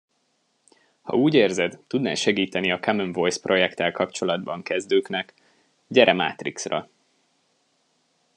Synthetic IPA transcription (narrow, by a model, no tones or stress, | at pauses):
hɒ̰uːɟeːrzɛd̪t̪ud̪nɛ̰ːʃɛɡiːt̪ɛniɒkamønvo̞jsprʔo̞jɛkt̪ɛlkɒpt͡ʃo̞lɒd̪bɒŋkɛzd̪øːknɛk | ɟɛɾʔɛma̰ːt̪riksrɒ̰